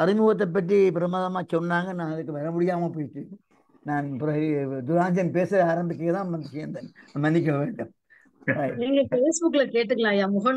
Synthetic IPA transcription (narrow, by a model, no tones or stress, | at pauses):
ɐɾɪmʊɣɐt̪̬ːɐpːɐʈːipɪɾɐmaːðɐmaːt͡ʃɔnːaːŋɡɐnãːɐðɯkːɯʋɐɾɐmʊɽɪjaːmɐp̬oːjʈːɯ | nãːnpɾɐd̪ʊɾaːɲd͡ʒɐnpeːsɯaːɾɐmbɪkːɐŋɡɐt̪ãːmɐnd̪ɪkːẽɐnd̪ɐmɐnːɪk̬ʲːɐʋeːɳɖɯmː | niːŋɡɐfeːsbʊkːɪlɐkeːʈːɯkːɐlãːjaːmʊɣɐn